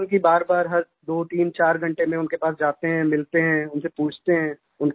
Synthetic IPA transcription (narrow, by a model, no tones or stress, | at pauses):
ʊnk̬ibaːɾbaːɾɦɐɾ | d̪oːʈiːmt͡ʃaːɾɡʱɐ̃ɳʈemẽʊnkepaːs̬d͡ʒaːt̪eɦɛ̃mɪlt̪eɦɛ̃ːʊnsepuːt͡ʃʰt̪eɦɛ̃ː | ʊn